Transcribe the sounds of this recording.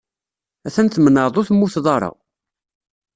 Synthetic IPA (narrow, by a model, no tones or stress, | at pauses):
æθænθmənəðˤʊθmːuθðˤɑɾˤɑ̰